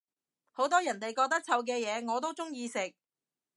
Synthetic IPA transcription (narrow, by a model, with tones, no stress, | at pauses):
ho˨˥wt̪ɔː˥jɐ˨˩nt̪e˨jkɔː˧k̚t̪ɐ˥k̚t͡sʰɐ˨˧wk̬ɛː˧jɛː˨˧ŋɔː˨˧t̪o˥wt͡sʊ˥ŋjiː˧sɪ˨k̚